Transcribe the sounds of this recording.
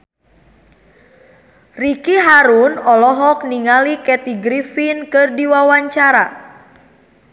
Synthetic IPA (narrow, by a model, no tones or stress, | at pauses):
rikiɦaɾunɔlɔɦɔk̚niŋalikɛt̪iɡɾifinkɨrdiwawaɲt͡ʃaɾa